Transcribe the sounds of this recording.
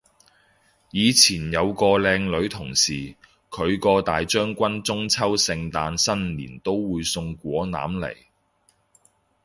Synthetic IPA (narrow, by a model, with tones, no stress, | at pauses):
jiː˨˧t͡sʰiː˨˩njɐ˨˧wkɔː˧lɛː˧ŋlɵ˨˥ɥt̪ʰʊ˨˩ŋsiː˨˩ | kʰɵ˨˧ɥkɔː˧t̪aː˨jt͡ʃœː˥ŋkʷɐ˥nt͡sʊ˥ŋt͡sʰɐ˥wsɪ˧ŋt̪aː˧nsɐ˥nlḭː˨˩nt̪o˥wwuː˨˧jsʊ˧ŋkʷɔː˨˥na̰ː˨˥mlḛ˨˩j